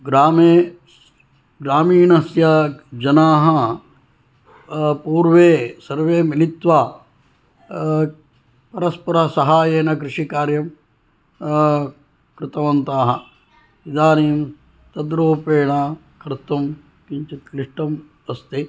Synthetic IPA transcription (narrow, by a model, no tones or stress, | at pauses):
ɡɾaːmeː | ɡɾaːmiːɳɐsjɐd͡ʒɐnaːɦɐ | puːɾʋeːsɐɾʋeːmilit̪ʋa | pɐɾɐspɐɾɐsɐɦaːjeːnɐk̬ɾɪʂikaːɾjɐm | kɾɪt̪ɐʋɐnt̪aːɦɐ | id̪aːniːm | t̪ɐd̪ɾoːpeːɳɐ | kʰɾt̪ɐm | kiɲt͡ʃit̪liʂʈɐm | ɐst̪i